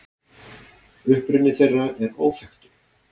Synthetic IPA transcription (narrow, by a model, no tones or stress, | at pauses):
ʏhpɾʏnːɪθejrːaɛɾoːwfɛxt̪ʏ̥